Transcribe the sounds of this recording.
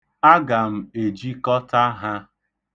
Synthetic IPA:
a˦ɡa˨m̩˨e˨d͡ʒi˦kɔ˦ta˦ɦa˦

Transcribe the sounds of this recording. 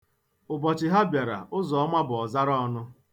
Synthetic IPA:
ʊ˨bɔ˨t͡ʃɪ˨ɦa˦bja˨ɾa̰˨ʔʊ˦zɔ˨ɔ˦ma˦bʊ˨ɔ˨za˦ɾɔ˦ɔ˦nʊ˦

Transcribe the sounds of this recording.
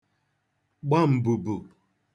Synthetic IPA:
ɡ͡ba˦m̩˨bu˨bu˨

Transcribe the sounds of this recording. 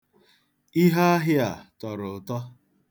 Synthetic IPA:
i˦ɦa˦a˦ɦɪ˦a˨tɔ˨ɾʊ˨tɔ˦

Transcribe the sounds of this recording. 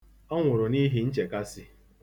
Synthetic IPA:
ɔ˦ŋʷʊ˨ɾʊ˨ni˦ɦi˦n̩˦t͡ʃe˨ka˦sɪ˦

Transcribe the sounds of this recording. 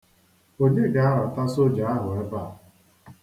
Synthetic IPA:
o˦ɲe˦ɡa˨a˦ɾa˨ta˦so˦d͡ʒa˨a˦ɦʊ˨ɛ˦pa̰˦˨

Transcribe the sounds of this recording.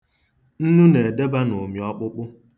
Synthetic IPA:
n̩˦nu˦ne˨de˦ba˦no˨mi˨ɔ˦k͡pʊ˦k͡pʊ˦

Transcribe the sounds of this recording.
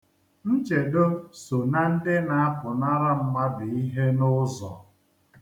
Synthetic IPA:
n̩˦t͡ʃe˨do˦so˨na˦n̩˦dɪ˦na˨a˦pʊ˨na˦ɾa˦m̩˦ma˦dɪ˨i˦ɦe˦nʊ˦zɔ̰˨

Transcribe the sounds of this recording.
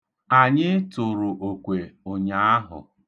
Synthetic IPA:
a˨ɲɪ˦tʊ˨ɾʊ˨ʔo˨kʷe˨ʊ˨ɲa˦a˦ɦʊ̰˨

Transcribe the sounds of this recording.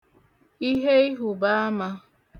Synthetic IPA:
i˦ɦe˦i˦ɦu˨ba˦a˦ma˦

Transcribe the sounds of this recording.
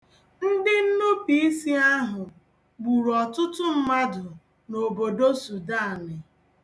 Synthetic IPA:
n̩˦dɪ˦n̩˦nʊ˦pi˨i˦si˦a˦ɦʊ˨ | ɡ͡bu˨ɾɔ˨tʊ˦tʊ˦m̩˦ma˦dʊ˨ | no˨bo˨do˦su˨da˦˨nɪ˨

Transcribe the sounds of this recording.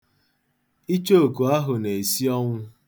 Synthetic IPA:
i˦t͡ʃo˦o˨ku˨a˦ɦʊ˨ne˨e˨si˦ɔ˦ŋʷʊ˦

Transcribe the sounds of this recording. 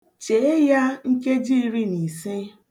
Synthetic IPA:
t͡ʃe˨e˦ja˦ŋ̩˦ke˦d͡ʒi˦ɾi˦ni˨se˦

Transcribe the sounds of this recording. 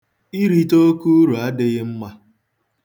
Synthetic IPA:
i˦ɾi˦to˦ku˦ɾu˨a˦dɪ˦ɣɪ˦m̩˦ma˦

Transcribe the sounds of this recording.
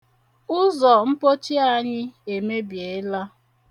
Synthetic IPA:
ʊ˦zɔ˨m̩˦po˦t͡ʃi˦a˦ɲɪ˦e˨me˦bje˨˦la˦

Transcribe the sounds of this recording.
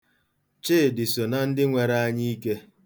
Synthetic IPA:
t͡ʃɪː˦˨dɪ˨so˨na˨n̩˦dɪ˦ŋʷe˨ɾa˦a˦ɲi˦i˦ke˦

